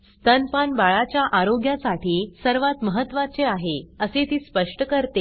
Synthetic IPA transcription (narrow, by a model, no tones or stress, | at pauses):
st̪ənpanbaɭat͡ɕjaʔaɾoɡjasaʈiːsəɾʋat̪məɦət̪ːʋat͡seaɦeəset̪iːspəʂʈəkəɾt̪e